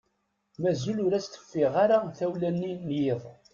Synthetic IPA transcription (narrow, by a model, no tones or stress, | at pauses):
mæzulʊɾæst̪ə̥fːɪʁaɾaθæwlænːinjeðˤ